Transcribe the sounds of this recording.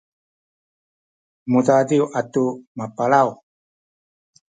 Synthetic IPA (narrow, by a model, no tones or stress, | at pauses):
mudadiwatumapaɭaw